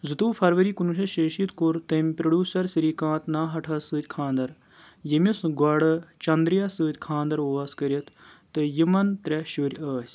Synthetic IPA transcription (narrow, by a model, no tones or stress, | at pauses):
zɨt̪uːpʰɐɾʋəɾiːkunuʃʰɐʃeːʃit̪kuɾt̪ɐmʲpɾɐɖʲjuːsɐɾsiɾiːkãːt̪naːɦɐʈʰɐsɨːt̪ʲkʰãːnd̪ɐɾ | jɐmisɡɐɽɐt͡ʃɐnd̪ɾijasɨːt̪ʲkʰãːnd̪ɐɾoːʋɐskɐɾʲɐt̪ː | ɨjimɐnt̪ɾʲɛʃuɾʲɐːsʲ